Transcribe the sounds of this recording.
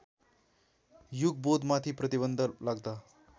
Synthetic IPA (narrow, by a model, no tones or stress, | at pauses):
juɡ̚bod̪mat̪ʰiːpɾət̪iβənd̪ʱəlaɡd̪a